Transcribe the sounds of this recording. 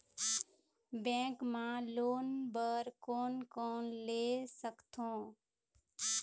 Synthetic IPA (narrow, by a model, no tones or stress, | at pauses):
bɛ̃ːkmãloːnbəɾkoːnkoːnleːsəkt̪ʰõː